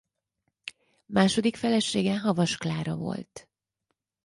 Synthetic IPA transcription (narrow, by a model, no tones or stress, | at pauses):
maːʃo̞d̪ikfɛlɛʃeːɡɛɦɒvɒʃklaːɾɒvo̞̰lt̪